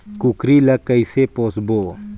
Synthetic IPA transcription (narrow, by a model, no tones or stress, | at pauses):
kukɾilɐkəisepoːsboː